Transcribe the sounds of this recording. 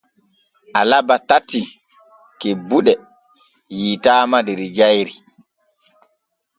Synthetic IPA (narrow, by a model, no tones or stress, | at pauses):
ʔalabatatːi | kɛbuɗɛ | jiːtaːmadɛɾid͡ʒajɾi